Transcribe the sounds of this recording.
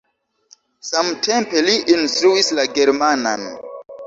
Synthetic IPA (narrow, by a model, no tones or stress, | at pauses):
samtʰe̞mpe̞liʔinstɾuislaɡe̞ɾmana̰n